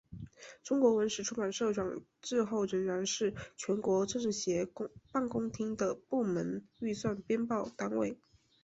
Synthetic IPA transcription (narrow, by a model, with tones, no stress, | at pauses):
ʈ͡ʂʊ˥ŋkwɔ˧˥wə˧˥nʂɻ̩˨˩ʈ͡ʂʰu˥ma˨˩nʂɤ˥˧ʈ͡ʂʰwɑ˨˩ŋ | ʈ͡ʂɻ̩˥˧xo˥˩ʊɻə˧˥nɻa˧˥nʂɻ̩˥˩t͡ɕʰɥɛ˧˥nkwɔ˧˥ʈ͡ʂɤ˥˧ŋɻ̩˥˩ɕjɛ˧˥pa˥˩nkʊ˥ŋt̪ʰi˥ŋd̪ə˧˨pu˥˩mə˧˥ny˥˧swa˥˩npjɛ˥npɑ˥˩ʊt̪a˥nwe˥˩ɪ